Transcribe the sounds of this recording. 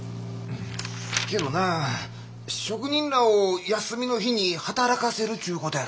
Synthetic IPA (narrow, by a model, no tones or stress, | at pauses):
ke̞d̪o̞na | ɕo̞kɯ̟ɲ̟ĩnɾaojasɨmʲino̞çiɲ̟ihat̪aɾakase̞ɾɯ̟t͡ɕɨːko̞t̪oja